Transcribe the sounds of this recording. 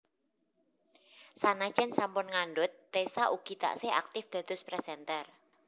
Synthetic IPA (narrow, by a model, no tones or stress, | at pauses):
sanḁʒ̥ɛnsampʊnŋaɳɖʊt̪ːesaʔuɡ̥i̤t̪a̰ʔsea̰k̚t̪ɪfd̪̥ä̤d̪̥ʊ̤spɾɛsɛnt̪ɛr